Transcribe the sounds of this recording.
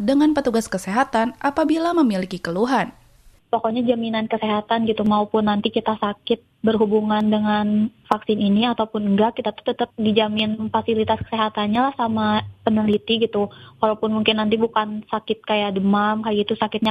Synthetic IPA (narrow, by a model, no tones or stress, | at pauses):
dəŋanpət̪uɡaskəseɦat̪anʔapabilaməmilikikəluɦan | pokoɲad͡ʒaminankəseɦat̪anɡit̪umaupʊnːant̪ikit̪asakɪt̪̚bərɦubuŋandəŋanfaksɪniniat̪awpʊnŋɡakit̪at̪u̥ht̪ət̪əp̚did͡ʒamɪnfasilit̪askə̥seɦat̪anɲalahsamapənəlit̪iɡit̪ukalawpʊnmuŋkɪnːant̪̬ibukansakɪt̪̚kajadəmamkajait̪usakɪt̪̚ɲa